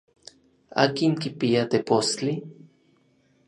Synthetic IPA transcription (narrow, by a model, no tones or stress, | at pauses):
a̰ːkiŋkipiat̪epost͡ɬi